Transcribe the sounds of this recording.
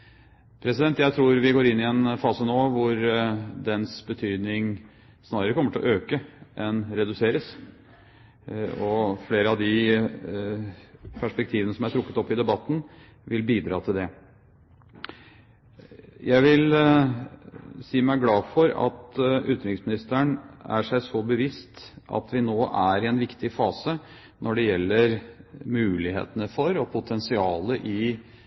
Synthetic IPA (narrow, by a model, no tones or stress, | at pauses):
pʰɾɛsɪd̪ɛnt̪jæɪt̪ʰɾuːɾʋɪɡoːɾɪnːɪɛnfɑːsənoːʋʊɾd̪ɛnsbət̪ʰyːd̪nɪŋ | snɑːɾəɾəkʰɔməʈʰɪlɔʔøːkəʔɛnɾɛd̪ʉseːɾəs | ɔfleːɾəɑʋd̪ɪ | pʰæʂpɛk̚t̪ʰiːʋənəsɔmæʈ̪ʰɾʊkːə̥t̪ɔpːɪd̪ɛbɑt̪ːn̩ | ʋɪlbiːd̪ɾɑ̰ːt̪ʰɪld̪ɛ | jæɪʋɪl | siːmæɪɡlɑːfɔɾɑ̰t̪ʉt̪ɾɪŋsmɪnɪst̪əɳæ̰ʂæɪsɔbəʋɪst̪ʔɑ̰t̪ʰʋɪnoːʔæɾɪɛnʋɪkt̪ɪfɑːsə | nʔɔɖɛjɛlːəɾmʉːlɪhḛːt̪ənəfɔɾɔpʰʊt̪ʰɛnsɪɑːləʔɪ